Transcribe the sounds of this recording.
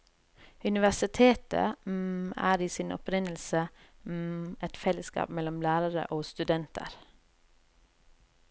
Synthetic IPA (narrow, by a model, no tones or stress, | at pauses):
ʉnɪʋæsɪt̪ʰeːt̪ə̰ | æ̰ːɾiːsiːnɔ̰pɾɪnəl̩sə | ɛt̪fɛləskɑ̰ːpmɛlɔmlæːɾəɾə̰ʔoːst̪ʉd̪ɛnt̪ə̰ɾ